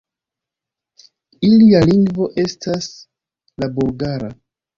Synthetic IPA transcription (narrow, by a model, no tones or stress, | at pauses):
ilialiŋɡvo̞ʔe̞stas | labuɾɡaɾa